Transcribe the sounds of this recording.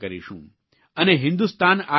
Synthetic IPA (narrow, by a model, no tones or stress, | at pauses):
kɐɾḭʃṵ̃ː | ɐneɦɪ̃nd̪ust̪aːnaː